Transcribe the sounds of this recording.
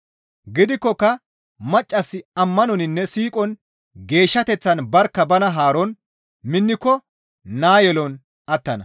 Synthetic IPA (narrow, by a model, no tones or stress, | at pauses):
ɡɪd̪ɪkːɔkːɐ | mɐt͡ʃʼːɐsːɪɐmːɐnɔnɪnːɛsiːkʼɔn | ɡe̞ːʃːɐt̪ɛt͡sːɐnbɐɾkːɐbɐnɐɦaːɾɔn | mɪnːɪkːɔ | naːjɛlɔn | ɐt̪ːɐnɐ